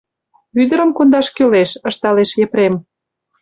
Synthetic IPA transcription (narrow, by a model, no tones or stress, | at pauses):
βyd̪ə̆ɾə̆mkond̪ɑʃkøleʃə̆ʃt̪ɑleʃjĕpɾem